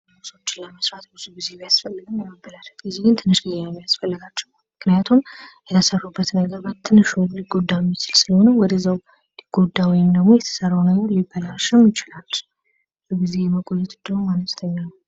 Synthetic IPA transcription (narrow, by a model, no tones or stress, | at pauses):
muso̞t͡ʃːɪnləməsɾat̪bɨzuɡize̞bjasfəlːɨɡɨmjɛməbːəlalət̪ɡizeɡɨnt̪ʰɨnːɨʃɡɨzamijasfəlːəɡat͡ʃːɛwmɨknɨjat̪ʰumjɛt̪ʰəsərːubːət̪nəɡəɾbat̪ʰːɨnɨʃuliɡo̞d̪ːajmːit͡ʃɪlsɨləho̞nəwɔd̪əzəw | liɡ̥o̞d̪ːawijnd̪əɡmo̞jɛt̪ʰə̥sərːawnəɡəɾlibːəlaʃɪmjɪt͡ʃɪlalː | zuɡize̞jɛməɡʼojɛt̪ʼɨnd̪əwumanəst̪ʰəɲːanəw